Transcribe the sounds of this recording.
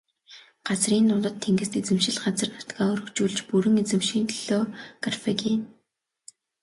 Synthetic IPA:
ɢ̥at͡sriːnt̪ʊɮə̆t̪ʰːeŋɡɘ̆st̪et͡sɘ̆mʃɪ̆ɮɢat͡sə̆rnḁt̪ɡaːɵɾɵ̆kt͡ɕuːɮt͡ɕpuɾɘ̆ŋet͡sɘ̆mʃiːnt̪ʰɮoːkarfekin

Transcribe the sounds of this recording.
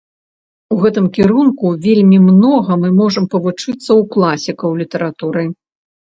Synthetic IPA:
uɣɛt̪ɨmkʲiɾunkuvʲelʲmʲimnɔɣɐmɨmɔʐɐmpɐvut͡ʂɨt̪sːɐwklˠasʲikɐwlʲit̪ɐɾat̪uɾɨ

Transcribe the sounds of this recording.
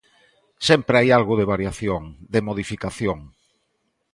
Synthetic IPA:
sɛmpɾajalɣʊðeβ̞aɾjaθjoŋd̪emoð̞ifikaθjoŋ

